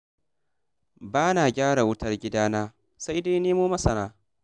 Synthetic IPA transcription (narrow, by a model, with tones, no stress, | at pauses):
baː˦naː˨ɡʲaː˦ɽa˨wʊ˦tɐ˦rɡʲɪ˦daː˦naː˦ | sa˦jda˦jneː˦moː˦mɐ˦sɐ˨naː˦